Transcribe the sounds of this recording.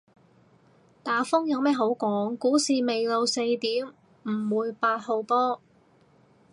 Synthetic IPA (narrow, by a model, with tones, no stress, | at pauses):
t̪aː˨fʊ˥ŋjɐ˨˧wmɛː˥ɦo˨˥wkʷɔː˨˥ŋkuː˨˥siː˨me˨jlo˨˧wse˧jt̪iː˨˥m | m̩˨˩wuː˨˧jpaː˧t̚ho˨˧wpɔː˥